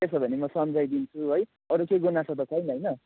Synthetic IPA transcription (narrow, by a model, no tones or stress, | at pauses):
esʰʌbʱʌnemʌsʌmd͡zajd̪int͡sʰuɦoj | ʌɾukeɡonasʰʌt̪ʌkʰʌjnɦʌjnʌ